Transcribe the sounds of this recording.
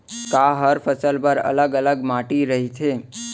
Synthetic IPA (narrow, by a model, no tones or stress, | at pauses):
kaɦəɾfəsəlpəɾə̰ləɡələɡmaʈiɾəɦit̪ʰe